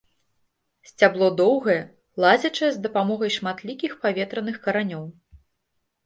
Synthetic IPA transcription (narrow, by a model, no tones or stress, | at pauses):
sʲt͡sʲablˠɔd̪ɔwɣɐjɛ | lˠazʲɐt͡ʂɐjɛzd̪ɐpamɔɣɐjʂmat̪lʲikʲixpavʲɛt̪ɾɐnɨxkɐɾanʲɔw